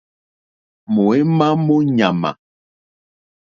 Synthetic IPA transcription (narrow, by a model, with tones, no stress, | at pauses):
mo˨e˦ma˦mo˦ɲa˨ma̰˨